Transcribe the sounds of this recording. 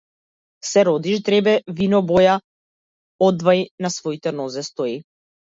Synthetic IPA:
sɛɾɔd̪iʃd̪ɾɛbɛvinɔbɔja | ɔd̪vajnasvɔit̪ɛnɔzɛst̪ɔi

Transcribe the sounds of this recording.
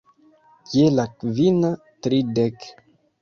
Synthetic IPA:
kjelakvina | tɾidek

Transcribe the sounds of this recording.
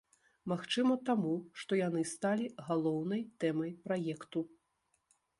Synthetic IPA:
maxt͡ʂɨmɐt̪amuʂt̪ɔjanɨst̪alʲiɣalˠɔwn̪ɐjt̪ɛmɐjpɾajɛkt̪u

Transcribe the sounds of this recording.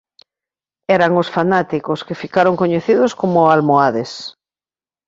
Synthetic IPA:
ɛɾaŋosfanat̪ikoskefikaɾoŋkoɲeθiðoskomoalmoaðes

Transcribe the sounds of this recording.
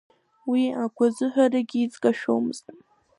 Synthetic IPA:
wiakʷʰazɨħʷᶣaraɡʲɪːt͡sʼkʼaʃᶣo̰wmɨztʼ

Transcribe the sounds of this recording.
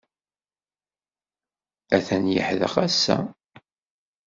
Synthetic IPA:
æθænjə̰ħðə̰χæsːæ̰

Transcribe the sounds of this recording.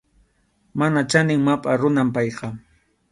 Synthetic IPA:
manat͡ʃanɪŋmapʼaɾʊnampɑjqɑ

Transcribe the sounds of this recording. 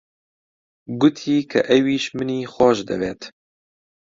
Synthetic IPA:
ɡʊt̪ʰiːkʰɐʔɛwiːʃmɨniːxʷɔːʃd̪ɐ̰beːt̪

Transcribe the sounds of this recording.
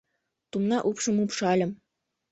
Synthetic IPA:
t̪umnɑʔupʃɤ̆mupʃɑlʲɤ̆m

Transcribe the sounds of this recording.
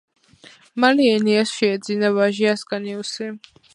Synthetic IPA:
maliɛniasʃɛːd̪zinavaʒiaskʼaniusi

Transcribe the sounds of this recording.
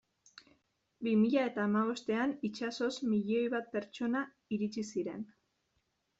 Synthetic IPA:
bimiʎae̞t̪aːmaβ̞o̞st̪e̞anit͡ʃaso̞smiʎio̞jβat̪̚pe̞ɾt͡ʃo̞na | iɾit͡ʃisiɾe̞̰n

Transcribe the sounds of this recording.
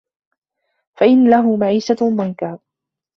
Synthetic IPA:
faʔɪnlaɦʊmaʕiːsamʊŋkaː

